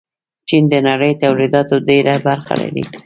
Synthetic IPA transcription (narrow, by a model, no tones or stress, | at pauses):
t͡ʃind̪ənaɽəjt̪awlid̪ɑt̪odeɾabaɾxa̰la̰ɾḭ